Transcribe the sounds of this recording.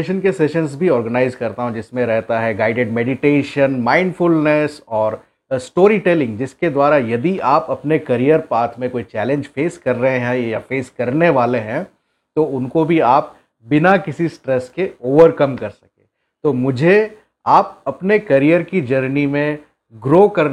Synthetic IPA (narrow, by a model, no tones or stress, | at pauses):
ʃənkesɛʃənzbʱiɔːɾɡənaːɪzkɐɾt̪aɦũd͡ʒɪsmẽɾɛɦt̪aɦɛɡaːɪɖeɖmɛːɖɪʈeːʃənmãːɪ̃ɳɖfʊlnɛsɔːɾ | sʈoːɾiʈɛlɪ̃ŋɡd͡ʒɪsked̪waːɾajɐd̪iʔaːpɐpnekɐɾijəɾpaːt̪ʰmẽkoːit͡ʃɛːlẽɲd͡ʒfeːskɐɾːəɦẽɦɛ̃jafeːskɐɾneʋaːleɦɛ̃ | t̪oʊnkobʱiaːp̚ | bɪnakɪsisʈɾɛskeoːʋəɾkɐmkɐɾsɐkḛ̃ː | t̪oːmʊd͡ʒʱe | aːp̚ɐpnekɐɾijəɾkid͡ʒɐɾnimẽ | ɡɾoːkɐɾ